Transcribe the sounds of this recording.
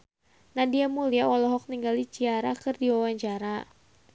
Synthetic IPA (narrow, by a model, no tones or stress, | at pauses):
nadiamuliaɔlɔɦɔk̚niŋɡalit͡ʃiaɾakɨrdiwawaɲt͡ʃaɾa